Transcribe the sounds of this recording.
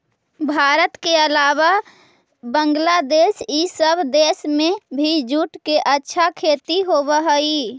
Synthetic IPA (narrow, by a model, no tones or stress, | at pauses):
bʱaɾət̪keəlaβa | bəŋɡlad̪esisəbʱd̪esmebʱid͡ʒuʈkeʔətːʃʰakʰet̪iɦoβəɦəi